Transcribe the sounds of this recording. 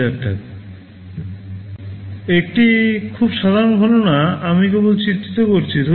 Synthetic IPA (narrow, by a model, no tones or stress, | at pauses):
ɛk̚ʈa̰ | ek̚ʈikʰubʃad̪ʱaɾonɡʱɔlonaamik̬ebolt͡ɕit̪ʰːit̪okoɾt͡ɕʰit̪o